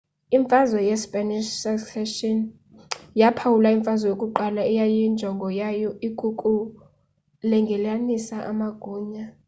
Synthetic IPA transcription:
iɱfazɔjɛspʼɛniʃsɛksɛʃɔn | japʰawulaiɱfazɔjokʼuǃalaɛjajɔind͡ʒʱɔŋɡʱɔjajɔiɡ̥ʱukʼu | lɛŋɡʱɛlanisaʔamaɡ̥ʱuːɲa

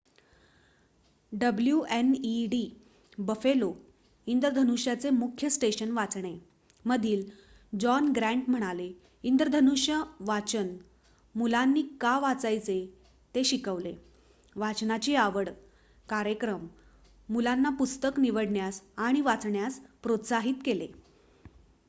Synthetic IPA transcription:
ɖəbljuʔeniɖi | bəfelo | ind̪ɾəd̪ʱənuɕjat͡semukʰjəsʈeɕənʋat͡sɳe | məd̪ʱiːl | d͡ʑɔnɡɾæ̃ɳʈm̤əɽ̃ale | ind̪ɾəd̪ʱənuɕjəʋat͡ɕən | mulanːiːkaʋat͡sajt͡se | t̪eɕikəʋle | ʋat͡snat͡ɕiːaʋəɽ | kaɾjəkɾəmː | ulanːapust̪əkniʋəɽɳjasaɽ̃iʋat͡sɳjaspɾot̪saɦiːt̪kele

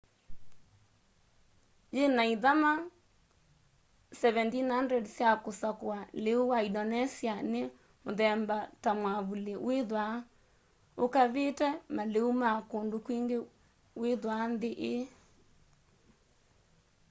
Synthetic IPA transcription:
jenaiðama | sɛβɛntinhandrɛdsjakosakwaleuwaidɔnɛsiane | moðɛmbatamwaβuleweðwa | okaβetɛmaleumakondokwiːŋɡe | weðwanðeʔe

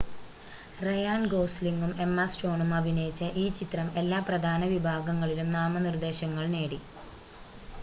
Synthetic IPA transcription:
rɐjaːnɡoːsliŋɡume̞mːɐsʈo̞ːɳumɐbʱinɐjit͡ɕːɐʔiːt͡ɕit̪rɐme̞lːaːprɐd̪ʱaːnɐʋibʱaːɡɐŋːɐɭilumnaːmɐnird̪e̞ːɕɐŋːɐɭne̞ːɽi

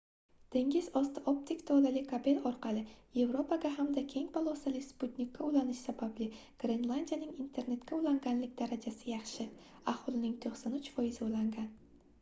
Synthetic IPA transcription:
d̪̥e̞ŋʲɪzɒst̪ʰop̚t̪ʰɪkʲt̪ʰɒlalɪkʰabe̞lɒɾqʰɑlˠɪje̞vɾo̞pʰaɡʲaɦamd̪akʲʰe̞ŋpʰalˠosalɪsput̪nʲikʲʰːaulanɪʃsabablɪɡ̥ɾenlˠand̪ʲijanɪŋint̪ʰe̞ɾne̞t̪kʲʰaulaŋɡʲanlɪk̚ʲd̪aɾad͡ʒasɪjɑχʃɪ | aholˠnɪŋt̪ʰoχsanʊt͡ʃfɒjɪzɪulaŋɡʲan

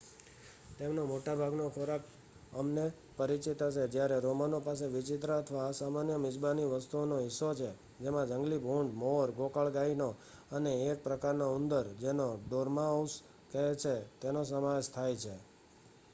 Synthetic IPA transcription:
t̪emnomoʈabʱaɡnokʰoɾak | əmne | pəɾit͡ʃit̪əʃed͡ʒjaɾeɾomanopas̬eʋɪt͡ʃɪt̪ɾəət̪ʰʋaːsamanjəmɪd͡ʒbaniʋəst̪uonoɦɪsːot͡ʃʰe | d͡ʒemãd͡ʒəŋɡlibʱũɳɖmoɾɡokəɭɡaino | əneːk̚pɾəkaɾnoʊnd̪əɾd͡ʒenoɖoɾmãows | kəɦet͡ʃʰet̪enosəmaʋeʃt̪ʰajt͡ʃʰe

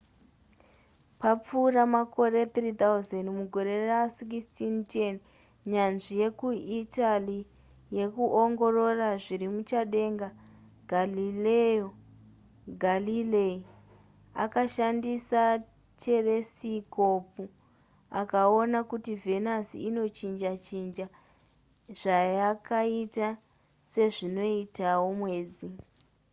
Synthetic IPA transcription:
pap͡fuːramako̞re̞t̪rit̪auzendmuɡʱoɾe̞rasik̬istʰintien | ɲanʐije̞kuitali | je̞kuʔoŋɡo̞ro̞raʐiɾimut͡ʃaɗe̞ŋɡa | ɡʱalileo | ɡʱalilei | a̰kaʃandisa | t͡ʃe̞re̞siko̞pu | akaonakutive̞nasḭino̞t͡ʃind͡ʒat͡ʃind͡ʒa | ʐ̥ajakaita | se̞ʐino̞itawo̞mwe̞ːd͡zi

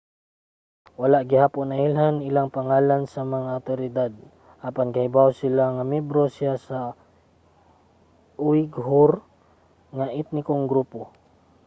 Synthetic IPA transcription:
walaʔɡɪhaːponɐɪlɦanɪlaŋpaŋalansamɐŋaawt̪oɾɪd̪ad̪̚ | ʔapanɡahɪbawsɪlaŋamɛbɾosjasa | ʊwɪɡɦʊɾ | ŋaʔɪt̪̚nɪkoŋɡɾuːpo

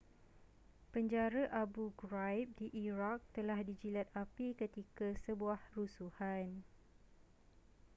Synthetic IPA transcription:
pəɲd͡ʒaɾaʔabuɡɾajp̚diʔiɾak̚t̪əlahdid͡ʒilat̪̚apikət̪ikasəbuahrusuhan

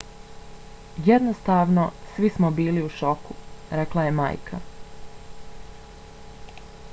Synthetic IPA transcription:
jed̪nost̪aːʋno̞sʋismobiːliuʃo̞kuɾeklaje̞ma̰ːjkʰa̰

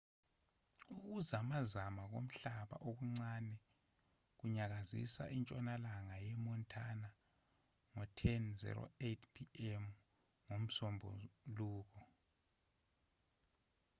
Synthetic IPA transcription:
uk̬uzamazamak̬om̩ɬaɓa̰ʔok̬uŋ͡ǀanɛ | k̬uɲak̬azḭsa̰ʔint͡ʃʼɔnalaŋajɛmɔntʰana | ŋɔtʰɛnzɛ̰ɾo̰etʰpʰiɛm | ŋom̩sɔmbʱɔ̰luːk̬ʰɔ

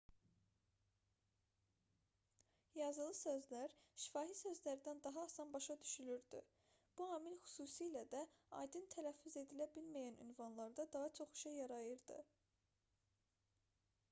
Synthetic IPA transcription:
jɑzɯlˠɯsø̞zlæɾʃi̥fɑːɦisø̞zlæɾd̪ænd̪ɑɦɑːsɑnbɑʃɑd̪yʃylyɾd̪y̰ | b̥uɑːmilxy̥suːsiːlæd̪æɑ̰jd̪ɯnt̪ʰælæfːyze̞d̪ilæbilmæjæny̰nvɑnlˠɑɾd̪ɑd̪ɑɦɑt͡ʃʰo̞χy̥ʃejːɑɾɑjɯɾd̪ɯ̰

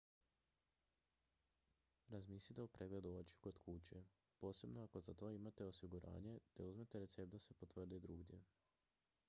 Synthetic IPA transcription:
ɾazmiːslʲit̪elupɾʔeːɡle̞d̪uot͡ɕi̥ko̞d̪kʰut͡ɕe | po̞ːse̞bno̞ako̞zat̪o̞ːimat̪e̞o̞siɡuɾʔa̰ːɲe̞d̪̥auzmet̪eɾe̞t̪se̞p̚t̪d̪ase̞po̞t̪ʋr̩d̪ied̪ɾuːɡd̪je̞̰

